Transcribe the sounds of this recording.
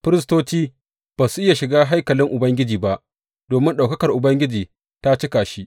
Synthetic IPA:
ɸɪ˦ɾɪ˦stoː˦t͡ʃiː˦ | b̥aː˨su˦ʔɪ˦ja˨ʃɪ˨ɡaː˦ɦa˦jkɐ˨lɪ˦ŋʔʊ˨bɐ˦ŋɡʲɪ˦d͡ʒiː˨ba˦ʔ | d̥oː˨mɪ˦nɗa˨wkɐ˦kɐ˨rʔʊ˨bɐ˦ŋɡʲɪ˦d͡ʒiː˨ | ta˦t͡ʃɪ˦kaː˨ʃi˦

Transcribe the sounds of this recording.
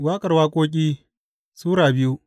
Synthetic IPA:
waː˦kʼɐ˨rwaː˦kʷʼoː˦k̬ʲʼiː˦ | suː˦ɽaː˨bɪ˦ju˦ʔ

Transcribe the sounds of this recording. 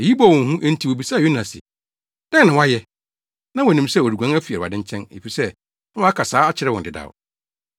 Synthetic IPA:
e˨ji˦bɔ˦˨wɔ̃˨˦ɦũ˦ʔn̩˦tʰi˦wo˨bi˨sa˦˨ju˦nã˨sɪ̰˨ | d̥a˦nã˨wa˦jɛ˦ | nã˦wɔ˨nĩ˨msɛ˦˨ɔ˨di˨ɡʷã˦æ˦fi˨a˨ɾa̰˨dɪ̃˦ɲ˦t͡ɕʰɛ̃˦nḛ˨fi˨sɛ̃˦ | wa˨˦a˦kʰa˨saː˨˦a˦t͡ɕʰɪ˨ɾɛ˦wɔ̃˨n˨dɪ˨da̰˨

